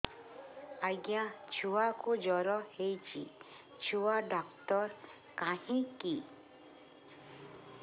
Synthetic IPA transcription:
ajɡjat͡ʃʰuwakud͡ʒɔɾɔhejt͡ʃʰḭ | t͡ʃʰuwaɖɔkt̪ɔɾ | kahĩki

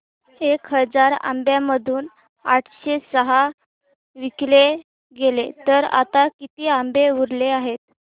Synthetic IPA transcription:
ekɦəd͡zaɾa̰mbjaməd̪ʱuːn | aʈʰɕesəɦa | ʋikle | ɡelet̪əɾa̰t̪akit̪iːambeʋuɾleaɦet̪̚

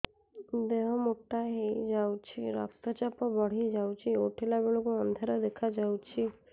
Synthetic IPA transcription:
d̪eɦɔmoʈːaɦejd͡ʒawt͡ʃʰiɾɔ̰k̚t̪ɔt͡ʃɔpɔbɔɽ̤ied͡ʒawt͡ʃʰioʈʰilabeɭokuɔnd̪ʱaɾɔd̪ekʰad͡ʒawt͡ʃʰi

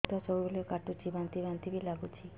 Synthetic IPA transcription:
t̪ɔsɔbuleokaʈut͡ʃʰibant̪ibant̪ibilaɡut͡ʃʰi

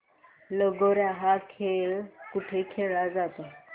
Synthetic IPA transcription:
ləɡoɾaɦakʰelkuʈʰekʰeɭad͡zat̪o

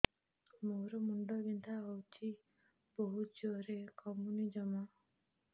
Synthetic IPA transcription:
moɾɔmuɳɖɔɡint̪ʰaɦɔwt͡ʃʰi | b̥oɦud͡ʒuɔɾekɔmunid͡ʒɔmɔ

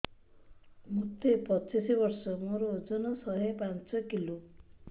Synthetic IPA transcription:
mut̪epɔt͡ʃisibɔɾsɔmoɾod͡ʒɔnɔsɔɦepant͡ʃɔkilu

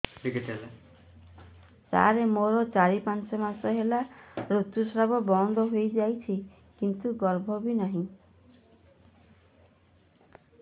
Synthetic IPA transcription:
ɖiɡiʈele | sa̰ɾemoɾɔt͡ʃaɾipant͡ʃɔmasɔɦelaɾut̪jusɾabɔbɔnd̪ʱɔɦojd͡ʒajt͡ʃʰi | kint̪uɡɔɾbʱɔbinaɦĩ

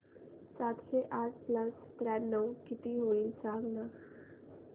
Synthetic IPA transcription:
sat̪ɕeʔaʈ̚ʰpləs | t̪ɾɛnəwkit̪iɦoiːlsãɡna

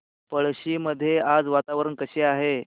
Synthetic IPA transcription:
pəɭɕiməd̪ʱːjead͡zʋat̪aʋɾəɳkəɕeaɦe

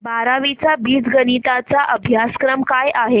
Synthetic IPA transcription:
baɾaʋit͡sabiːd͡zɡənit̪at͡saʔəbʱjaskɾəmkajʔaɦe

